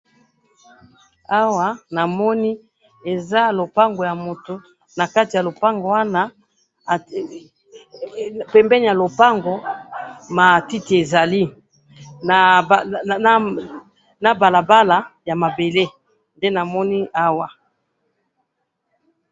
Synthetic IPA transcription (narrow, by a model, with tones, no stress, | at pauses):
a˦wa˨na˨mɔ˦ni˦ | e˨za˦lo˨pa˦ŋɡo˨ja˨mo˨to˨ | na˨ka˦ti˨ja˨lo˨pa˦ŋɡo˨wa˦na˦˨ | pɛ˨mbɛ˦ni˨ja˨lo˨pa˦ŋɡo˨ | ma˨ti˦ti˨e˨za˨li˦ | na˨˦ | na˨ba˨la˨ba˦la˨ja˨ma˨be˨le˦ | nde˦na˨mɔ˦ni˦a˦wa˨